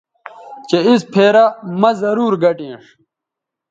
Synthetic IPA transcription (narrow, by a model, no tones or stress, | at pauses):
t͡ɕeispʰeːɾamɐzɐɾuːɾɡɐʈiḛ̃ʂ